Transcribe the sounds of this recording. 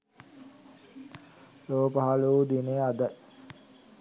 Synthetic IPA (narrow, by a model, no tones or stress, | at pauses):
loːpəɦaluud̪inead̪ə